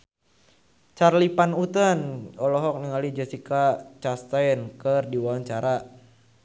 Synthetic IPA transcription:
t͡ʃarlipanut̪ənɔlɔɦɔk̚niŋalid͡ʒasikat͡ʃast̪ajnkərdiwaaɲt͡ʃaɾa

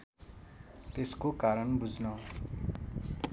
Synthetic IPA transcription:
t̪eskokaɾʌnbud͡znʌ

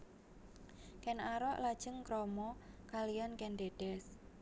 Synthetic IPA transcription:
kɛnaɾɔʔlad̥ʒ̥əŋkɾɔmɔkalijankɛnɖed̥ɛs

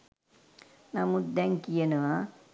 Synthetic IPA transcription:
namud̪ɛŋkijənəʋa

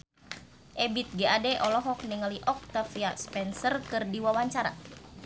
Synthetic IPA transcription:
ʔɛbit̪̚ɡeʔadɛʔɔlɔɦɔk̚niŋəliʔɔk̚t̪afiaspɛnsərkɨrdiwawaɲt͡ʃaɾa̰

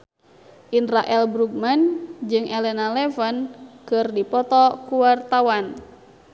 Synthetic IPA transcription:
ʔinraʔɛlbɾuɡ̚mand͡ʒɨŋʔɛlɛnalɛfənkɨrdipɔt̪ɔkuwart̪awan

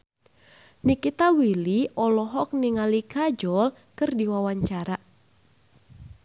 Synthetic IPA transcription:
nikit̪awiliʔɔlɔɦɔk̚niŋalikad͡ʒɔl | kɨrdiwawaɲt͡ʃaɾa

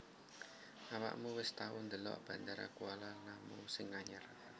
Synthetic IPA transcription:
ʔawa̰ʔmuwɪst̪awʊnd̪əlɔ̰ʔb̥ä̤nd̪aɾa̰kualanamusɪŋːaɲar

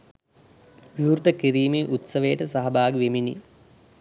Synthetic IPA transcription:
ʋiuɾt̪əkiɾiːmeːʔut̪sɐʋejəʈəsɐɦɐbaːɡʋeminḭ

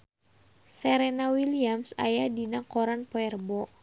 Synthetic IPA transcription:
sɛɾɛnawiliamsa̰jadinakoɾanpoɛrbɔ

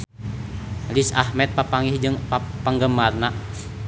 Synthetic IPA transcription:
lisahmɛt̪̚papaŋihd͡ʒɨŋpapəŋɡəmarnaʔ

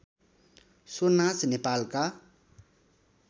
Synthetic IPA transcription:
sonasnepalka

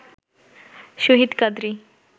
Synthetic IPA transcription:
ʃuɦid̪kʌd̪ɾi

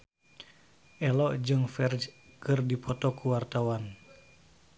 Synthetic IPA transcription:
ʔɛlɔʔd͡ʒɨŋfɛrd͡ʒkɨrdipɔt̪ɔkuwart̪awan

